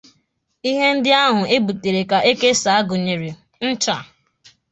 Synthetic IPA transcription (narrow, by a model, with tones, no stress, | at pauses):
i˦ɦe˦n̩˦dɪ˦a˦ɦʊ˨e˦bu˨te˨ɾe˨ka˨ʔe˦ke˦sa˨a˦ɡʊ˨ɲe˨ɾe˨ | n̩˦t͡ʃa˨